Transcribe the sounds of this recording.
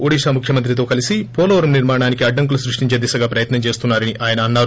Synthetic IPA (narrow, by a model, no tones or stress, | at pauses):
oɽiːʃaːmukʰjɐmɐnt̪̬ɾit̪o̞ːkɐlisipoːlɐʋɐɾɐmniɾmaːɐɳaːnikiɐɖːɐŋk̬ulusɾuʂʈiɲt͡ʃed̪isɐɡaːpɾɐjɐt̪nɐmt͡ʃe̞ːst̪unːaːɾɐniʔaːjɐnɐːnːaːɾu